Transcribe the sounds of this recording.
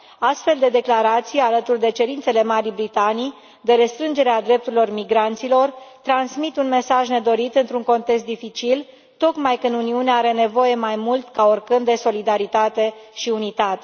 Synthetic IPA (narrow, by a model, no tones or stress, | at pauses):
ast̪fe̞ld̪e̞d̪e̞klaɾat̪sijalət̪urd̪e̞t͡ʃe̞ɾint̪se̞le̞maɾibɾit̪anij | d̪e̞ɾe̞st̪ɾɨnd͡ʒe̞ɾead̪ɾe̞p̚t̪uɾilo̞rmiɡɾant̪silo̞rt̪ɾansmit̪unme̞saʒne̞d̪o̞ɾit̪ɨnt̪ɾuŋko̞nt̪eks̬t̪d̪ifit͡ʃil | t̪o̞kmajkɨnd̪uniuneaɾe̞ne̞vo̞je̞majmult̪kaorkɨnd̪d̪e̞so̞lid̪aɾit̪at̪e̞ʃiunit̪at̪e